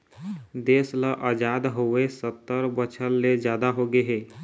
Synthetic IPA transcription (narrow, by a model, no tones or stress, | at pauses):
d̪eːsləʔəd͡ʒaːd̪ɦoesət̪ːəɾbət͡ʃʰəlːed͡ʒjaːd̪aɦoɡeɦeː